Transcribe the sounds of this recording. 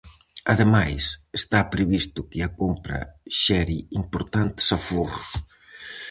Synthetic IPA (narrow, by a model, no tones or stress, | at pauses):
ɐðemajsest̪apɾeβist̪ʊkɪɐkompɾɐ̰ʃɛɾiimpoɾt̪ant̪sɐfurʊs